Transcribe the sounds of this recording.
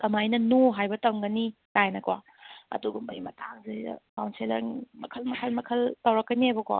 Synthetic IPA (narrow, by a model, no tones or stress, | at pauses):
tɐmajnɐnoɦajbɐtɐwŋɡɐnitajnɐkwa̰ | ɐ̰duɡumbɐ̰jmɐtʰaŋzḛkawnselɐ̰ŋmɐ̰kʰɐlmɐkʰɐlmɐkʰɐltɐwɾɐkːɐniajbɐkwa̰